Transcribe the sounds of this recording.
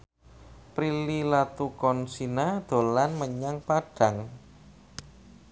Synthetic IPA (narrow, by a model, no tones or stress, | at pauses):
pɾililat̪ukɔnsinad̪̥o̤lanməɲaŋpaɖ̥ä̤ŋ